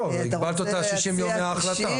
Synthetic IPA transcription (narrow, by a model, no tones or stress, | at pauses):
oviɡbalt̪ot̪aʃiʃimjomːeaːχlat̪a